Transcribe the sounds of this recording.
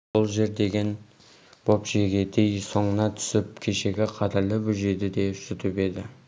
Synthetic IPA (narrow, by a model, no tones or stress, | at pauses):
bolˠʒe̞ɾd̪e̞ɡʲe̞n | b̥o̞pʒeɡʲe̞d̪ejso̞ɴənɑt̪ʰʏ̥sɪp̚kʲʰeʃe̞ɡʲɪqʰɑt̪ɪɾlˠɪbʏʒe̞d̪ɪd̪e̞sɪt̪ɪpe̞d̪ɪ